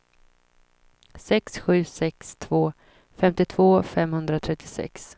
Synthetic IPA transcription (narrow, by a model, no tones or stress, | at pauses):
sɛksɧʉ̟ːsɛkst̪ʰvoː | fɛmt̪ɪt̪ʰv̥oːfɛmhɵnd̪ɾat̪ʰɾɛt̪ʰːɪsɛ̰ks